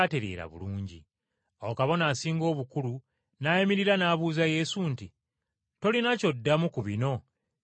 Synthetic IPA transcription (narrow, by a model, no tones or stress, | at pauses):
ate̞ɾḛːɾa̰βṵluːɲɟḭ | okaβo̞naːsiːŋɡo̞ːβukulu | najemiɾiɾanaːβuːzaje̞ːsunti | to̞linaco̞dːamukuβino̞